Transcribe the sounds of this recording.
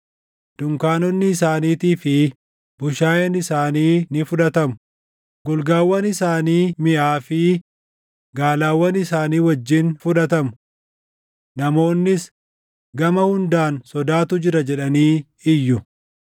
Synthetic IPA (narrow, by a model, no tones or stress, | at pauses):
d̪̥ʊŋkaːnɔnːɪːsaːniːt̪iːfɪ | bʊʃaːjɐnɪsaːniːnɪfʊᶑɐt̪ɐmʊ̥ | ɡʊlɡaːwːɐnɪsaːniːmɪʔaːfɪ | ɡaːlaːwːɐnɪsaːniːwɐd͡ʒːɪnfʊᶑɐt̪ɐmʊ | nɐmo̞ːnːɪs | ɡɐmɐhʊnd̪aːnsɔd̪aːt̪ʊd͡ʒɪɾɐd͡ʒɛᶑɐniː | ɪjːʊ